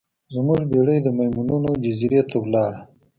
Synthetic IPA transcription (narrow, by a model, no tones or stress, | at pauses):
zmuʐbeɽəjd̪əmajmununod͡ʒaziɾet̪ʰawlɑɽa